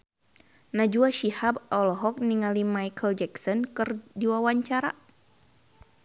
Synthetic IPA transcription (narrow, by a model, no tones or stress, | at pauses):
nad͡ʒuaʃihabɔlɔɦɔk̚niŋalimajkʰəld͡ʒɛksɔnkɨrdiwawaɲt͡ʃaɾa